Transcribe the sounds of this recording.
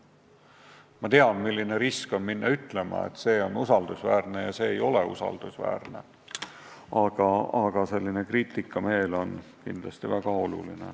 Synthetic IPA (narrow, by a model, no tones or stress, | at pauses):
mɑt̪e̞ɑnmilʲːine̞ɾisko̞nminːɑyt̪ˑle̞mɑ̰ḛt̪ːˑse̞ːo̞nusɑld̪usvæːɾne̞jɑse̞ːjo̞le̞ṵsɑ̰ld̪̥usvæ̰ːrne̞ | ɑɡ̥ɑɑɡ̥ɑse̞lːine̞kriːt̪ːˑikːˑɑme̞ːlo̞nkind̪lɑst̪ivæɡ̥ɑo̞lṵline̞̰